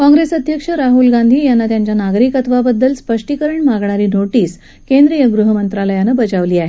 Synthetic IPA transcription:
kɔ̃ŋɡɾesəd̪ʱjəkʂəɾaɦulɡand̪ʱiːjanːat̪jaɲt͡ɕjanaɡɾiːkət̪ʋabəd̪ːəlspəʂʈikəɾəɳmaɡɳaɾiːnoʈiːs | kẽnd̪ɾijəɡɾuɦəmənt̪ɾaləjanəbəd͡ʑaʋliːaɦe

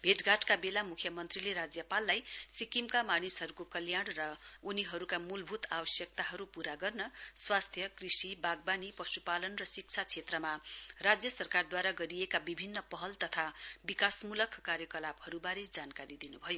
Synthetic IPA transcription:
bʱeʈɡaʈkabelamukʰjʌmʌnt̪rileɾad͡zjʌpalːajsikimkamanisɦʌɾukokʌljaɽ̃rʌuniɦʌɾukamulbʱut̪abʌsjʌk̚t̪aɦʌɾupuɾaɡʌrnʌswast̪ʰjʌkrisibaɡ̚banipʌsupalʌnrʌsik̚t͡sʰat͡sʰet̪rʌmarad͡zjʌsʌrkard̪waɾaɡʌɾijekabibʱinːʌpʌɦʌlt̪ʌt̪ʰabikasmulʌkʰːkaɾjʌkʌlabhʌɾubaɾed͡zankaɾid̪inubʱʌjo

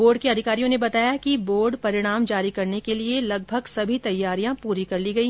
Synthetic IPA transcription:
boːɾɖ̚keɐd̪ʱɪkaːɾijõnebɐt̪aːjakiboːɾɖpɐɾɪɽ̃aːmd͡ʒaːɾikɐɾnekelielɐɡ̚bʱɐɡsɐbʱit̪ɐjːaːɾijãpuːɾikɐɾliɡɐiː

